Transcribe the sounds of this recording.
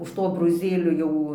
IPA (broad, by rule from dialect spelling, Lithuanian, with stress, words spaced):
ʊʃ ˈtoː ɐbroːˈzʲeːlʲoː ˈjɛʊ